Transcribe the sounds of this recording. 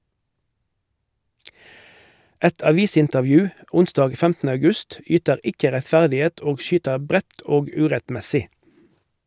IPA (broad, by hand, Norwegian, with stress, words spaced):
ˈɛt ɑˈʋiːsɪntəʁˌʋjʉː ˈʊnsdɑːɡ ˈfɛmtn̩ə ɑʉˈɡʉst ˈyːtəʁ ˈɪkə ʁɛtˈfæʁdɪˌeːt ˈoːɡ ˈʃyːtəʁ ˈbʁɛt ˈoːɡ ˈʉːʁɛtˌmɛsɪ